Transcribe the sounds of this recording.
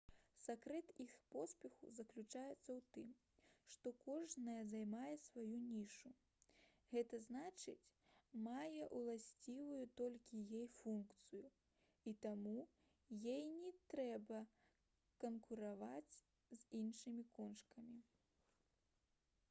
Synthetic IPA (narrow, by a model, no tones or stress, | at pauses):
sakɾɛt̪ixpɔspʲɛxṵzɐklʲut͡ʂajɛt̪sːɐwt̪ɨm | ʂt̪ɔkɔʐnɐjɐzajmajɛsvajunʲiʂu | ɣɛt̪ɐznat͡ʂɨ̰t͡sʲmajɛʔulˠasʲt͡sʲivujut̪ɔlʲkʲijejfunkt̪sɨju | it̪amu | jejnʲɛt̪ɾɛbɐ | kɐnkuɾavat͡sʲ | zʲinʂɨmʲikɔnʂkɐmʲi